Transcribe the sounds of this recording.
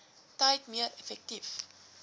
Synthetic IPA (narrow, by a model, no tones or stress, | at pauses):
tɐjtmiəɾɛfɛk̚tif